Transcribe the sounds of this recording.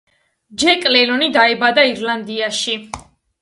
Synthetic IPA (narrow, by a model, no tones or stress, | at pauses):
d͡ʒɛkʼlɛlɔnid̪aɛbad̪aiɾland̪iaʃi